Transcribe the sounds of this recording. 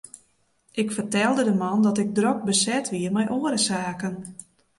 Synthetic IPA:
ʔɪkfərtɛlˠdədəmɔndɔtɪk̚drok̚bəsɛtʰʋiərmɛjʔoːəɾəsaːkən

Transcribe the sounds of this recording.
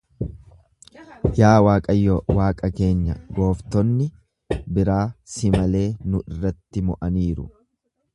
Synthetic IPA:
jaːwaːkʼɐjːɔwaːkʼɐke̞ːɲːɐ̰ɡo̞ːft̪ɔnːɪ | bɪɾaːsɪmɐle̞ːnʊʔɪrːɐt̪ːɪmɔʔɐniːɾʊ̰

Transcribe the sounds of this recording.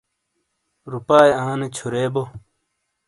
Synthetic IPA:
ɾupaːjãːnet͡ɕʰuɾeːbo

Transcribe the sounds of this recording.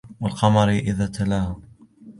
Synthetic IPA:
wɪlqɑmɑɾiʔɪðaːt̪ʰalaːhʊ

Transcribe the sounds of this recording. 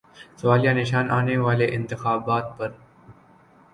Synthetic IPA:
sʋaːljaːnɪʃaːnʔaːneʋaːleʔɪnt̪ɪxaːbaːt̪̚pɐɾ

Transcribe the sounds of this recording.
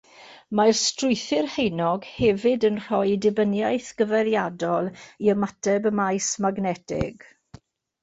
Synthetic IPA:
marstrʊɨθɪrhejnɔɡ̥hɛvɪdənr̥ɔjdɪbənjajθɡ̥əvɛɾjadɔlˠiəmatʰɛbəmajsmaɡnɛtʰɪ̰ɡ̥

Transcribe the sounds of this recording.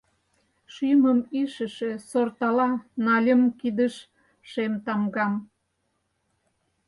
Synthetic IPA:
ʃyməmiʃə̆ʃĕsort̪ɑlɑnɑlʲəmkid̪əʃ | ʃemt̪ɑmɡɑm

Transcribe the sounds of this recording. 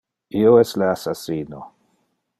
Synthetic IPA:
ioɛstleasasiːno

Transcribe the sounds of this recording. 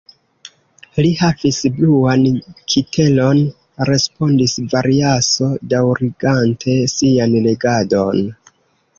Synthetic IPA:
lihavisbluankʰitʰe̞lo̞n | ɾe̞spo̞ndisvaɾiaso̞dawɾiɡantʰe̞sianle̞ɡado̞n

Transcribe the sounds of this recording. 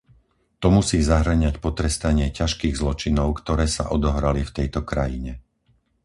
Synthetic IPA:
t̪ɔmusiːzaɦɾ̩ɲacpɔt̪ɾɛst̪aɲɪɛcaʃkiːɣzlɔt͡ʃinɔʊkt̪ɔɾɛːsa̰ʔɔd̪ɔɦɾalift̪ɛjt̪ɔkɾajiɲɛ

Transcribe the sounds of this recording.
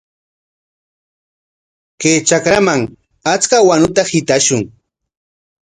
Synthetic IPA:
keːt͡ʃakɾamaŋ | at͡skawanʊt̪ahɪt̪aʃʊŋ

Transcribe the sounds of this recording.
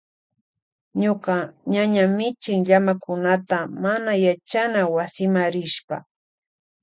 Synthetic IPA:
ɲokaɲaɲamɪt͡ʃɪŋʎamakʊnat̪amanajat͡ʃanawasɪmaɾɪʃpa̰

